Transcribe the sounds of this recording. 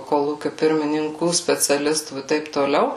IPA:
koːˈlˠuːkʲʊ pʲɪrʲmʲɪnʲɪŋˈkuː sʲpʲɛt͡sʲɛˈlʲɪstuː ɪ ˈtɐɪp toːˈlʲɛʊ

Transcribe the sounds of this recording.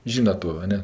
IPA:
ˈʒʲiːnɐt toː ɐ ˈnʲɛ

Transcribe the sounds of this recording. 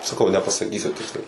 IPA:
sɐˈkɐʊ nʲɛpɐsɐˈkʲiːsʲʊ ˈtʲɪksʲlʲɛɪ

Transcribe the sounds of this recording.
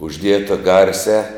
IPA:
ʊʒʲˈdʲiɛtɐ ˈɡɐrʲsʲæː

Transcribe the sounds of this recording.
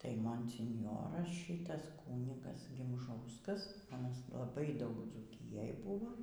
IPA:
ˈtɐɪ moːnʲsʲɪnʲˈjoːrɐs ˈʃʲɪtɐs ˈkuːnʲɪɡɐs ɡʲɪmˈʒɐʊskɐs ɐˈnɐs lˠɐˈbɐɪ ˈdɐʊk d͡zuːˈkʲɪjɛj ˈbʊʋoː

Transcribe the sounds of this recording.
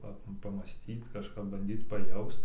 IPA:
ˈpɐ pɐmɑːˈsʲtʲiːt kɐʃˈkɐp bɐnʲˈdʲiːt pɐˈjɛʊst

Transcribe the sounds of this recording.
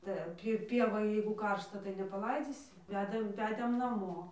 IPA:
tɐɪ ˈɐn pʲɪ ˈpʲiɛʋoːj jɛɪɡʊ ˈkɐrʃtɐ tɐɪ nʲɛpɐˈlˠɐɪd͡zʲiːsʲɪ ˈʋʲæːdɐm ˈʋʲæːdʲeːm nɐˈmoː

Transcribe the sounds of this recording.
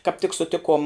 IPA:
kɑːp tʲɪk sʊˈtʲɪkuɔm

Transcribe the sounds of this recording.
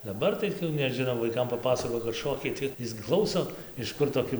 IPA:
dɐˈbɐr tɐɪ nʲɛˈʒʲɪnoː ʋɐɪˈkɐm pɐˈpɑːsɐkoːjɪ kɐt ˈʃoːkʲɛɪ tɐɪ ˈɪs ɡʲɪ ˈklˠɐʊsoː ɪʃ ˈkʊr toːˈkʲɪ

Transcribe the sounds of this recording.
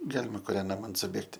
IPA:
ˈɡɑːlʲɪmɐ kʊˈrʲɛn ˈnɑːmɐn sʊˈbʲeːktʲɪ

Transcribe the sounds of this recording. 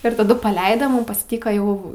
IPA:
ɪr tɐˈdʊ pɐˈlʲɛɪdɐ ˈmʊm pɐsʲˈtʲiːkɐ ˈjɛʊ

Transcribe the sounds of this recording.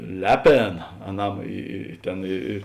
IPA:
ˈlʲæːˌpʲeːnɐ ɐˈnɐm ˈiː iː ˈtʲeːn ɪ ɪ

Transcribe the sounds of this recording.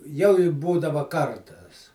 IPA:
jɛʊ ɪ ˈbuːdɐʋɐ ˈkɐrtɐs

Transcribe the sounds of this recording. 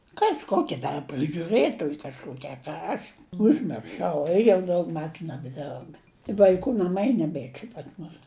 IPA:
kɐʃˈkoːkʲɪ ˈdɐr prɨʒʲʊˈrɘtoːj kɐʃˈkoːkʲɪ ɐ ˈkɐ ɐʃ ʊʒʲmʲɪrˈʃɐʊ jɛʊ ˈdɐʊk ˈmʲæːtʊ nʲɛbʲɛˈdʲɛrp ʋɐɪˈkuː nɐˈmɐɪ nʲɛˈbʲeː t͡ʃʲɛ pɐs ˈmʊs

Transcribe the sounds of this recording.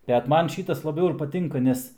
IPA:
bʲɛt ˈmɐn ˈʃʲiːtɐs lˠɐˈbʲɛʊ ɪr pɐˈtʲɪŋkɐ ˈnʲɛs

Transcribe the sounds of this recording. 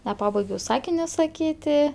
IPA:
nʲɛˈpɑːbɐɪɡʲɛʊ ˈsɑːkʲɪnʲoː sɐˈkʲiːtʲɪ

